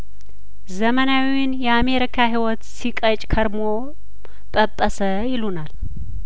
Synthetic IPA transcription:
zəmənawiɪnjɛame̞ɾikʰaɦiwɔt̪sikʼət͡ʃʼkʰəɾmo | tʼəpʼːəsə | jɪlunal

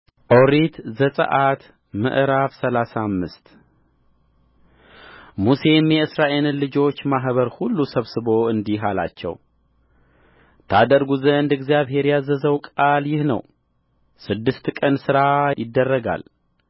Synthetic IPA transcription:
ʔoɾit̪zəsʼə̰ʔat̪ | mɨ̰ʔɾafsəlasamːɨst̪ | muse̞mjɛɨsɾaʔe̞lɨlɨd͡ʒo̞t͡ʃːmaɦβəɾhulːusəβsɨβo̞ɨnd̪iɦala̰t͡ʃːɛ̰w | t̪ʰad̪əɾɡuzəɨnd̪ɛɡzijaβhe̞ɾjazəzəwkʼaljɪhnə̰w | sɨd̪ːɨst̪kʼənsɨɾajɪd̪ːərːəɡa̰l

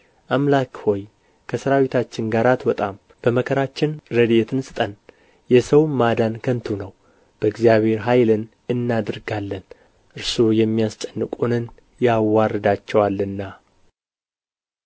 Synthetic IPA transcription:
ʔamlakho̞j | kʰəsɨɾawit̪ʰat͡ʃːɪŋɡaɾat̪wət̪ʼam | b̥əməkʰəɾat͡ʃːɪnɾəd̪et̪ʰɨnsʼɨt̪ʼən | jɛsəwmad̪ankʰənt̪ʰunəw | b̥əɨɡzjaβhe̞ɾɦajlɨn | ɨnːad̪ɨɾɡalːən | ʔɨɾsujɛmːijast͡ʃʼənːɨkʼunɨn | jawːarːɨd̪at͡ʃːɛwalːɨnːa

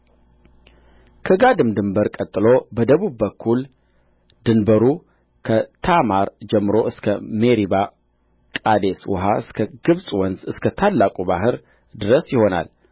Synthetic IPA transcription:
kʰəɡad̪ɨmd̪ɨmbəɾkʼət̪ʼːɨlobəd̪əβuβːəkʰːul | d̪ɨnbəɾu | kʰət̪ʰamaɾd͡ʒɛmːɨɾo̞ʔɨskʰəmeɾiba | kʼad̪eswɔ̰ɦaɨskʰəɡɨβsʼwɔnzɨskʰət̪ʰalːakʼubaɦɨɾ | d̪ɨɾəsjɪho̞na̰l

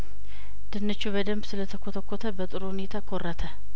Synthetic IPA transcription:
d̪̥ɨnːɨt͡ʃːubəd̪əmbsɨlət̪ʰəkʰot̪ʰəkʰːot̪ʰəbət̪ʼɨɾohune̞t̪ʰakʰorːat̪ʰə

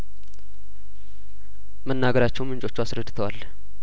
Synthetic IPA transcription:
mənːaɡəɾat͡ʃːɛwmɨnt͡ʃʼo̞t͡ʃːuasɾəd̪ːɨt̪ʰəwal

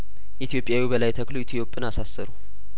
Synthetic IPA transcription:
ʔit̪ʰijo̞pʼjawibəlajt̪ʰəkloit̪ʰjo̞pʼːɨnasasːəɾu

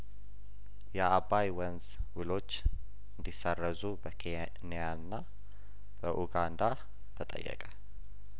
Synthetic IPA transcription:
jɛabajwənz | wɨlo̞t͡ʃː | ɨnd̪isərːəzubəkʰe | nijanːa | b̥əʔuɡand̪a | t̪ʰət̪ʼə̰jːə̰kʼə

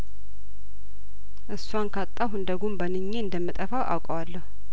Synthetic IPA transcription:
ʔɨsːwankʰat̪ʼːawɦɨnd̪əɡumbənɨɲːeɨnd̪əmːɨt̪ʼəfawʔa̰wkʼəwalːəhu

